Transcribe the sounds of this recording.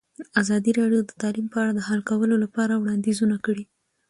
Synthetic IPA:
azɑd̪iɾɑɖjod̪ət̪ɑlimpəaɽad̪əɦalkawəlolapɑɾawɽɑnd̪izunakəɽi

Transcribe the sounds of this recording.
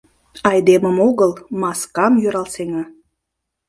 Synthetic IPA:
ɑjd̪eməmoɣəlmɑskɑmjøɾɑlseŋɑ

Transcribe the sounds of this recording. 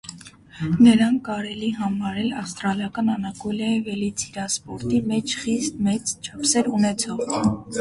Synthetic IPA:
nəɾɑnkɑɾɛliɦɑmɑɾɛlɑfst̪ɾɑljɑkɑnɑnɑkɔljɑivɛlit͡sʰiɾɑspɔɾt̪imɛt͡ʃʰχist̪mɛt͡st͡ʃʰɑpsɛɾunɛt͡sʰɔʁ

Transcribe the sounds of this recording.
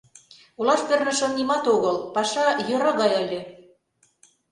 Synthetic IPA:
ulɑʃpĕrnə̆ʃə̆mnimɑt̪oɣɤlpɑʃɑjøɾɑɣɑjɤlʲĕ

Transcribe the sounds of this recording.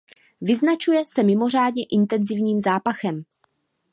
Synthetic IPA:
vɪznat͡ʃujɛsɛmɪmo̞r̝aːdɲɛʔɪnt̪ɛnzɪvɲiːmzaːpaxɛm

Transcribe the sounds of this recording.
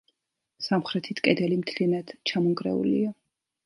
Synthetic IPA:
samχɾɛt̪ʰit̪ʰkʼɛd̪ɛlimt̪ʰlinad̪̥t͡ʃʰamɔŋɡɾɛ̰ṵlḭa

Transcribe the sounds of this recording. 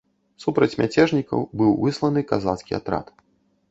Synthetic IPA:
supɾɐt͡sʲmʲʔat͡sʲɛʐnʲikɐ̰wbɨwvɨslˠɐnɨkaza̰t̪skʲia̰t̪ɾa̰t̪

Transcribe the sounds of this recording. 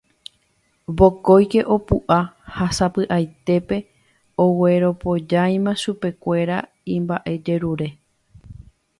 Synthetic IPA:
bo̞ko̞jke̞ʔo̞puʔahasapɨʔajt̪e̞pe̞ | o̞we̞ɾo̞po̞d͡ʒaj̃mãʃupe̞kʷe̞ɾa | ĩmbaʔe̞d͡ʒe̞ɾuɾe̞

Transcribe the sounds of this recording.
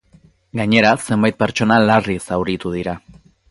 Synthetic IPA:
ɡaɲe̞ɾase̞mbajt̪̚pe̞ɾt͡ʃo̞nalarisawɾit̪uðiɾa

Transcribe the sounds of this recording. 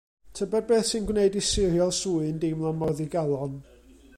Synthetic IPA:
tʰəbɛd̚beːθsɨnɡwneɨdisɪrjɔlˠsuɨndɪmlˠamɔðiɡalˠɔn

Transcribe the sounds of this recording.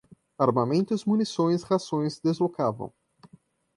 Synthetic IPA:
aɾmamẽnt̪ʊzmunisõj̃shasõj̃sd̪ezlokavɐ̰̃w̃

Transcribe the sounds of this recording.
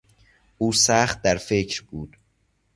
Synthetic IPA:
ʔuːsæːχt̪̚d̪æɾfecʰɾbuːd̪̥

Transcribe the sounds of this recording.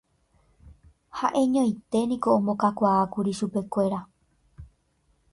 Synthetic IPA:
haʔẽ̞ɲõjt̪e̞nĩko̞õmbokakʷaːkuɾiʃupe̞kʷe̞ɾa

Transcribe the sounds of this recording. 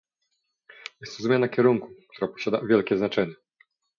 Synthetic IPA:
jɛst̪ɾɔzmʲanakʲɛɾuŋkuk̚t̪uɾapɔ̥ɕad̪a̰vʲjɛlkʲɛznat͡ʂɛɲɛ

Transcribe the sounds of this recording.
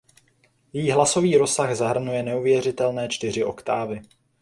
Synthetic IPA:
jɛjiːɦlaso̞viːɾo̞saɣzaɦr̩nujɛnɛuvjɛrɪt̪ɛlnɛːt͡ʃt̪ɪr̝ɪʔo̞̰kt̪aːvɪ

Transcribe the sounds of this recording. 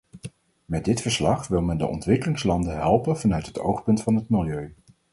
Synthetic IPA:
mɛdɪtfəɹslɑχʋɪlˠmɛndə̰ʔɔ̰ntʋɪkəlɪŋslɑndənɦɛlˠpənvɑnœɥtɦəto̰wχpɵntfɑnɦətmɪlˠjøɥ

